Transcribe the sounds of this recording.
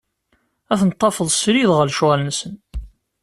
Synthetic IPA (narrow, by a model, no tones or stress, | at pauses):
æθnət̪ˤːɑfəðˤsɾiðʁəlʃʁælənsən